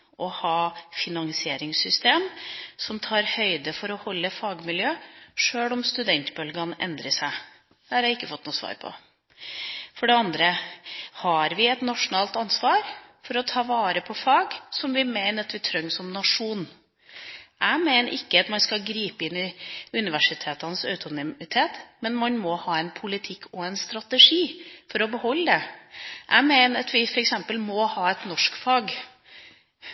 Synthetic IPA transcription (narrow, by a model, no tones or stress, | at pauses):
ʔɔhɑːfɪnɑŋsɪeːɾɪŋsʏst̪eːmsɔmt̪ʰɑːɾhœʏd̪əfɔɾɔhɔlːəfɑːɡmɪljøːʂøːɭɔmst̪ʉd̪ɛnt̪bœlɡɑnʔɛ̰nd̪ɾəsæɪ | d̪̥æɑɾhæɪɪkːəfɔt̪ːnuːsʋɑ̰ːɾpʰɔ̰ | fɔɖɛɑnd̪ɾəhɑɾʋɪɛt̪nɑʂʊnɑːlt̪ɑnsʋɑːɾfɔɾɔt̪ʰɑːʋɑːɾəpʰɔfɑːɡsɔmʋɪmeɪnəɾɑt̪ʋɪt̪ʰɾœŋːsɔmnɑʂuːn | ʔæmeɪnəʔɪkːəɑt̪mɑnskɑɡɾiːpəɪnɪʉnɪʋæʂɪt̪ʰeːt̪ɑnəsœʉt̪ʊnɪɪt̪ʰeːt̪mɛnmɑnmɔhɑːɛnpʰʊlɪt̪ʰɪkʰːɔɛnst̪ɾɑt̪əʂiːfɔɾɔbəhɔlːəd̪ɛʔæ̰ɪmeɪnəɾɑt̪ʋɪfɔɾɛksɛmpəlmɔhɑːɛt̪nɔʂkfɑːɡ